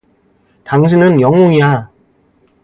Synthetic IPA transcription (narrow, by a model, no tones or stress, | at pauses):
taŋɕ̬ʰinɯnjʌŋuŋija